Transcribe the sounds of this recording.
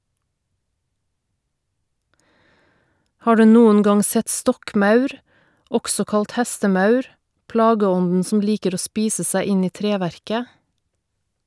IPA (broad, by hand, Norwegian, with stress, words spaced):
ˈhɑː ˈɖʉː ˈnuːən ˈɡɑŋ ˈsɛt ˈstɔkˌmɑʉɾ ˈɔɡsɔ ˈkɑlt ˈhɛstəˌmɑʉɾ ˈplɑːɡəˌɔndn̩ sm̩ ˈliːkəɾ ˈoː ˈspiːsə ˈsæɪ ˈɪn ˈiː ˈtɾeːˌʋæɾkə